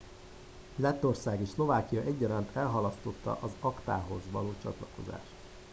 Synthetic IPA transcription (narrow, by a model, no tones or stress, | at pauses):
lɛt̪ːo̞rsaːɡeːʃslo̞vaːkijɒʔɛɟːɒɾant̪ʰɛlɦɒlɒst̪o̞t̪ːɒ̰ʔɒzɒkt̪a̰ːɦo̞zʋɒloːt͡ʃɒ̰t̪lɒko̞za̰ːʃt̪